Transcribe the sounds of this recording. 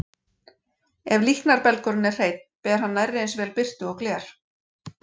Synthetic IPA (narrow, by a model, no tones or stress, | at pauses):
ɛvlihknaɾpɛlkɔɾʏnɛr̥r̥eːjt̪̚npɛːðɪɾ̥hanːajrːɪensvɛːlpɪr̥t̪ʏɔklɛːɾ̥